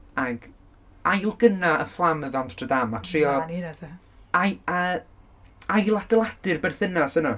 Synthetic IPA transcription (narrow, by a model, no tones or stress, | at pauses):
aɡ | ajlˠɡənaəflˠaməðantrədamatʰriɔnia | ajə | ajlˠadɛlˠadɨrbɛrθɪnasənɔ